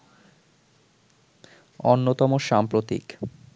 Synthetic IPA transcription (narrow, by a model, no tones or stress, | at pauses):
onːot̪ɔmoʃampɾot̪ḭk